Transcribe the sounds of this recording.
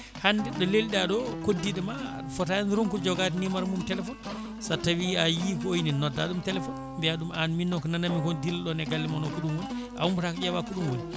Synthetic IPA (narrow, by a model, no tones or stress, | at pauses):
handɛɗɔleliɗaɗɔkodːiɗɛma | fɔtanɾɔŋkɔd͡ʒɔɡatinimaɾmumtɛlɛfɔn | satawiajikɔojninːɔdːa̰ɗumtɛlɛfɔn | mbɛaɗumanminːɔkɔnanamikɔdilɗɔnɛɡalːimanɔkuɗumwon | ʔa̰umbutakad͡ʒawakuɗumwol